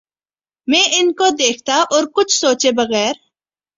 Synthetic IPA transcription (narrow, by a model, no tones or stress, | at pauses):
mɛ̃ːʔɪnkod̪eːk̚ʰt̪aʔɔːɾkʊt͡ʃʰsoːt͡ʃebɐɣɛːɾ